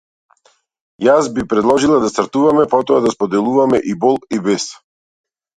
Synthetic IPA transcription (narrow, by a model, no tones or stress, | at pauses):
jasbipɾɛd̪lˠɔʒilˠad̪ast̪ɾt̪uvamɛpɔt̪ɔad̪aspɔd̪ɛlˠuvamɛʔibɔlˠibɛs